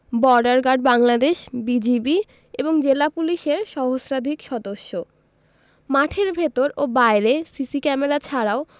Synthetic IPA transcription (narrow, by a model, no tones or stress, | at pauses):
bɔɾɖaɾɡaɖ̚baŋlad̪eʃbid͡ʑibi | eboŋd͡ʑelapuliʃeɾʃɔɦosɾad̪ʱikʃɔd̪oʃːo | maʈʰeɾbʱet̪oɾobaeɾesisikɛmeɾat͡ɕʰaɾao